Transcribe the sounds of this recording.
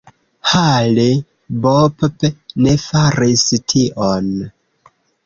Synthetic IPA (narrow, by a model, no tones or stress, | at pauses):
hali | boppne̞faɾistʰiʔon